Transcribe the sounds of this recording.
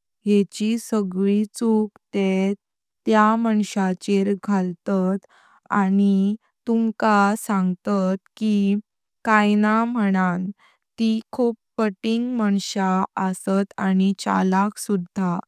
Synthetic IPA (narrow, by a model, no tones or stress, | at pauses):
jɛt͡ɕisəɡɭit͡sukt̪e | t̪jamaɳɕat͡ɕeɾɡʱalt̪at̪ | ani | t̪uŋkasãŋɡt̪at̪ki | kajnam̤əɽ̃an | t̪ikʰuːppəʈiŋɡmaɳɕaəsət̪anit͡ɕa̰laksud̪ʱːa